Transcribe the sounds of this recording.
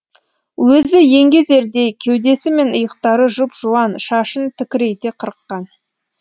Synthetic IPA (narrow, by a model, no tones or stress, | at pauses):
wɵzɪje̞ŋɡʲeze̞ɾd̪e̞kʲʰewd̪e̞sɪme̞nəjəqt̪ɑɾəʒʊpʒ̥uwɑnʃɑʃənt̪ʰɪkʲɪɾe̞jt̪eqʰəɾəqːɑn